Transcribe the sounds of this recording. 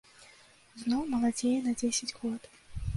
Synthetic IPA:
znɔwmɐlˠad͡zʲejɛnɐd͡zʲesʲɐt͡sʲɣɔt̪

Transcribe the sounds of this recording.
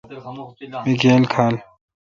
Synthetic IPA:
miɡeːlkʰaːl

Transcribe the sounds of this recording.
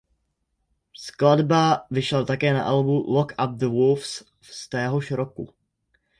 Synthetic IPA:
skladbavɪʃɛlt̪akɛːna̰ʔalbulɔkap̚ðəwulfs | st̪ɛːɦoʃɾokṵ

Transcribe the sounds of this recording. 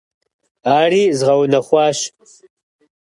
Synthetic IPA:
aːriːzʁɐwnɐχʷɑːɕ

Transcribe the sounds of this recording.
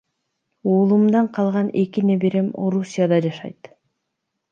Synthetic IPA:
uːlˠumd̪ɑɴqʰɑlˠʁɑne̞kine̞beɾe̞mo̞̰ɾusʲijad̪ɑd͡ʒɑʃɑ̰jt̪

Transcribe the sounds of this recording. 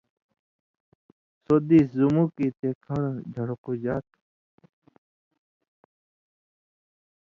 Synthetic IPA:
soːd̪iːszumukit̪ekʰəɽd͡ʒʱəɽkud͡ʒaːt̪̚

